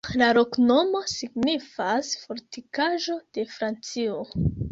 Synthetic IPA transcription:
laɾo̞knomo̞siɡnifasfo̞ɾtikaʒo̞d̥e̞fɾant͡sio

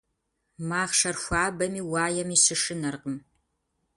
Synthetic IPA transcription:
maːʁʂɐrxʷaːbɐmiːwaːjɛmiːɕɨʂɨnɐrqəm

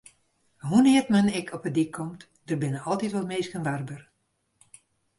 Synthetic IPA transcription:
ɦunɪːərtmənɪkʰɔpədikʰːɔmt | d̥ərbɪnəɑlˠtitʋɔtmeːskənʋarbər

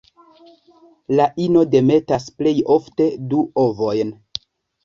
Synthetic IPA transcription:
laʔino̞de̞me̞tasple̞jo̞fte̞duʔovo̞jn

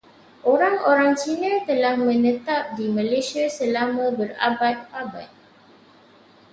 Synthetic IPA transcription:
ʔoɾaŋoɾaŋt͡ʃinə̃t̪əlahmə̃nə̃t̪ap̚dimə̃lesiasəlamə̃bəra̰bat̪̚aba̰t̪̚

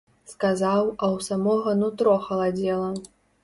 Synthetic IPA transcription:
skazawɐwsamɔɣɐnut̪ɾɔxɐlˠad͡zʲɛlˠɐ

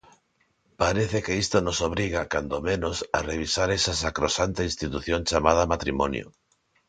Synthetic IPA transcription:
paɾeθekeist̪onosoβɾiɣ̞akand̪omẽnosa̰reβ̞isaɾɛsasakɾosant̪einst̪it̪uθjoŋt͡ʃamað̞amat̪ɾimɔnjo̰

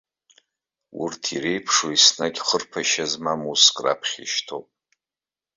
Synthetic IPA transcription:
ʊ̰rtʰire̞jpʰʂoisnakʲʼχərpʰaʃazmamuskʼra̰pʰχʲḭʃtʰopʼ

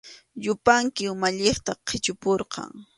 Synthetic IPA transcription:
ʎʊpaŋkɪʊmaʎeχt̪aqʰɪt͡ʃʊpoɾqɑ̰ŋ

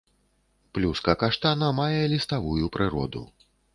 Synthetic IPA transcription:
plʲuskɐkaʂt̪anɐmajɛlʲist̪avujupɾɨɾɔ̰d̪ṵ

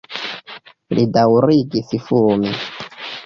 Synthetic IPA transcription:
lidawɾiɡisifumi

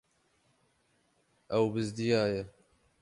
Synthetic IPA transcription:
ɐwbɨzd̪ijaːjɛ

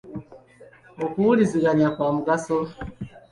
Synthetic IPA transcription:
okuuliziɣaɲakwaːmuɡaso

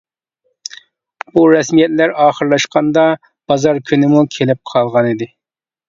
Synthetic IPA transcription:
buɾɛsmijɛt̪læɾɑːχəɾlˠɑʃqɑnd̪ɑ | b̥ɑzɑɾkʲʰynɪmukʲʰelɪp̚qʰɑlˠʁɑnid̪ɪ

